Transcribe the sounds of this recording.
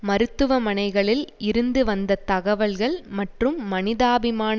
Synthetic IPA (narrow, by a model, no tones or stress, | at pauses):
mɐɾɯt̪ːɯʋɐmɐnɐɪɣɐɭɪlɪɾɯnd̪ɯʋɐnd̪ɐt̪ɐɣɐʋɐɭɣɐɭmɐʈrɯmːɐnɪðaːbɪmaːn